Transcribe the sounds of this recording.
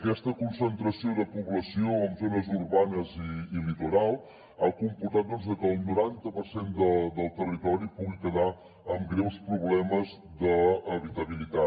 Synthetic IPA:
əkɛst̪əkunsənt̪ɾəsioðəpuβləsioəmzonəzuɾβanəziːlit̪uɾalˠ | akumpuɾt̪at̪̚d̪ɔnzðəkəːlˠnuɾant̪əpəɾsend̪əd̪əlˠt̪ərit̪ɔɾipuɣikəða | əmɡɾewspɾuβlɛməz | d̪əːβit̪əβilit̪a

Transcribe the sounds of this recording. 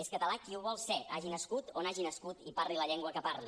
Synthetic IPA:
eskət̪əlakiuβ̞ɔlˠsɛaʒinəskut̪onaʒinəskut̪ipaɾliləʎɛŋɡwəkəparli

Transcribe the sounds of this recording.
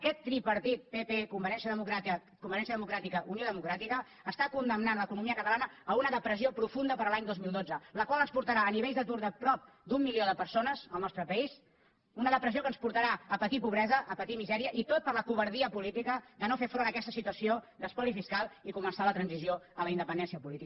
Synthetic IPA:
əkɛt̪ːɾipəɾt̪it̪̚pepekumbəɾɛnsiəðəmukɾat̪ | kumbəɾɛnsjəðəmukɾat̪ikəʔunioðəmukɾat̪ikəː | st̪akund̪əmnanləkunumiəkət̪əlˠanəəunəðəpɾəziopɾufund̪əpəɾəlaɲd̪ozmilˠd̪od͡zələkwalənspuɾt̪əɾaːniβeʎzðət̪uɾðəpɾɔp̚ | d̪umːilioðəpəɾsonəzəlˠnɔst̪ɾəpəis | unəðəpɾəziokənspuɾt̪əɾaəpət̪ipuβ̞ɾɛzəʔːpət̪imizɛɾiəʔit̪ot̪̚pəɾləpuβ̞əɾðiəpulit̪ikəd̪ənofefɾonəkɛst̪əsit̪uəsiod̪əspɔlifiskalˠikumənsalət̪ɾənzizioələind̪əpənd̪ɛnsiəpulit̪ik

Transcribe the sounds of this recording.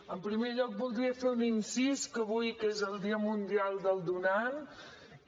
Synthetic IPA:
əmpɾimeʎɔk̚bulˠd̪ɾiəfeuninsiskəβujkezəlˠd̪iəmund̪ialˠd̪əlˠd̪unan

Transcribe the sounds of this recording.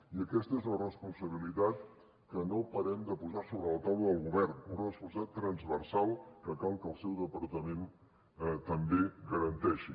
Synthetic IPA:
iəkɛst̪əezlərəspunsəβilit̪at̪ | kənopəɾɛmd̪əpuzasoβɾələt̪awləðəlˠɣuβɛrnunrəspusat̪ːɾənzβərsalˠkəkalˠkəlˠsɛwðəpəɾt̪əmen | t̪əmbeɡəɾənt̪ɛʃi

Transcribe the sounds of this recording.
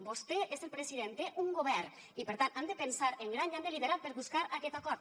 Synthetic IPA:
bost̪eʔezelˠpɾesiðent̪eʔuŋɡoβ̞ɛɾ | ipeɾt̪anand̪epensaɾeŋɡɾaniand̪eliβeɾat̪̚peɾβuskaɾakɛt̪akɔɾt̪

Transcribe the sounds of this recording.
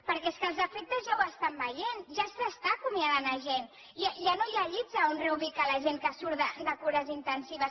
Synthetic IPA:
pəɾkɛeskəlˠzəfek̚t̪əzʒawəst̪ambəjenʒasast̪akumiaðanaʒen | aʒanojaʎizaonreuβikalɐʒeŋkəsuɾðəd̪əkuɾəzint̪ənsiβ̞əs

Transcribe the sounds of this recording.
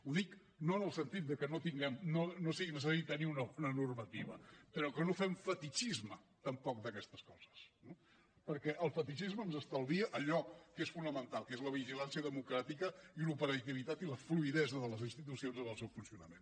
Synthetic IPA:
uðik | noənəlˠsənt̪it̪̚d̪əkənot̪iŋɡɛmnonosiinəs̬əsaɾit̪əniunəunənurmət̪iβəpəɾɔkənofɛmfət̪it͡ʃizmə | t̪əmpɔk̚d̪əkɛst̪əskɔz̥ə̥sno | pəɾkɛʔəlˠfət̪iʃizməːmzəst̪əlˠβiəʔəʎɔkesfunəmənt̪alˠkezləβ̞iʒilansiəðəmukɾat̪ikəilupəɾət̪iβit̪at̪iləfluiðɛzəðələzinst̪it̪usionzənəlˠsewfunsiunəmen

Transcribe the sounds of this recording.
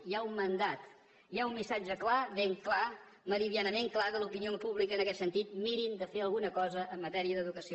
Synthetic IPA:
jaumːənd̪at̪ | iaumːisad͡ʒəklaβeŋkla | məɾiðianəmeŋklakəlupiniopuβlikəːnəkɛt̪sənt̪it̪̚miɾind̪əfeəlˠɣunəkɔzəʔːmːət̪ɛɾiəðəðukəsio

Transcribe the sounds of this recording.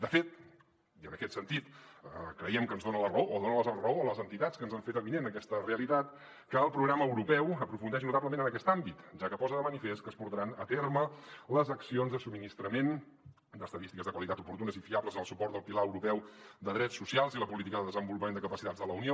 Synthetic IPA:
d̪əfet̪̚ | iənəkɛt̪sənt̪it̪əkɾəiɛmkənzðonələrəoːðonələzərəoələzənt̪it̪at͡skənzaɱfet̪əβinenəkɛst̪əreəlit̪at̪ | kəːlˠpɾuɣɾaməːwɾupɛwəpɾufund̪ɛʒnut̪abləmẽnənəkɛst̪ambit̪ʒakəpɔzəðəmənifest̪kəspuɾt̪əɾanət̪ermələzəksionzðəsubminist̪ɾəmen | d̪əst̪əðist̪ikəzðəkwəlit̪at̪upuɾt̪unəzifiabləzənəlˠsupɔrt̪d̪əlˠpilaəwɾupɛwd̪əðɾɛtsːusialˠziləpulit̪ikəðəðəzəmbulupəmend̪əkəpəsit̪add͡zðələunio

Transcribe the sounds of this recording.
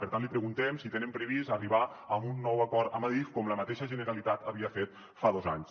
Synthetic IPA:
pəɾt̪anlipɾəɣunt̪ɛmsit̪enempɾeβ̞izəriβaəmunːɔwakɔɾt̪amaðɾifkɔmləmat̪eʃəʒənəɾalit̪at̪aβiafet̪̚ | faðɔzaɲs

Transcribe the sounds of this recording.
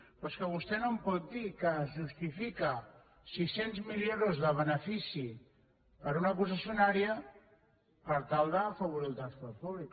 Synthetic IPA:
pɔskəβust̪ɛnompɔt̪̚d̪ikəːzʒust̪ifikə | sisenzmileɾozðəβ̞ənəfisi | pəɾunakus̬əsjunaɾiə | pəɾt̪alˠd̪əːfəβuɾilˠt̪ɾaspɔlpuβlik

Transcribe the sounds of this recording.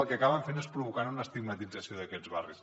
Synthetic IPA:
lˠkəkaβəɱfenespɾuβukanunəːst̪iɡmət̪id͡zəsioðəkɛzβa̰rḭs

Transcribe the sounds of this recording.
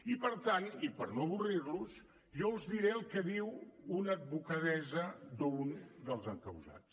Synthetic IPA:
ipəɾt̪anipəɾnoβurirluz | ʒɔuzðiɾeəlˠkəðiwunəd̪̚βukəðɛzəd̪əund̪əlˠzəŋkəwza̰s

